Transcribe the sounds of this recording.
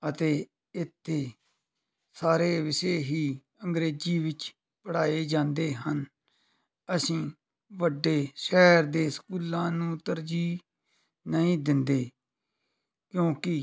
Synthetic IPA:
ət̪eː | ɪt̪ʰːeː | saːɾeːʋɪseːɦiː | əŋɡɾeːd͡ʒiːʋɪt͡ʃ | pəɽaːeːd͡ʒãːnd̪eːɦən | əsĩː | ʋəɖːeːʃɛːɾd̪eːsə̥kuːlãːnũːt̪əɾd͡ʒiː | nəĩːd̪ɪnd̪eː | kjõːkɪ

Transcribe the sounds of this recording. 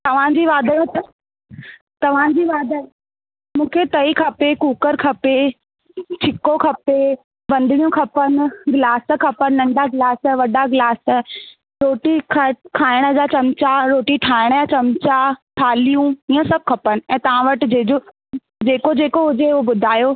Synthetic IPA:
t̪ɐʋ̤ãd͡ʑiːʋaːd̪ʱajõt̪ɐ | t̪ɐʋ̤ãd͡ʑiːʋaːd̪ʱa | mũːkʰet̪ɐikʰɐpekuːkəɾkʰɐpe | t͡ɕʰɪkokʰɐpe | ʋɐ̃nd̪ʱɪɽijũkʰɐpən̆ɡlaːs̆kʰɐpənnɐ̃ɳɖaɡlaːsʋɐɖaɡɪlaːs | ɾoːʈikʰkʰaːɪɽ̃ə̆d͡ʑat͡ɕɐmt͡ɕaɾoːʈiʈʰaːɪɽ̃əd͡ʑat͡ɕɐmt͡ɕaʈʰaːlijũĩːə̃sɐb̚ʱkʰɐpənɪ̆ɛ̃ːt̪ɐʋ̤ãʋɐʈɪ̆d͡ʑeːd͡ʑo | d͡ʑeːkod͡ʑeːkoɦʊd͡ʑeʊobʊd̪ʱaːjo

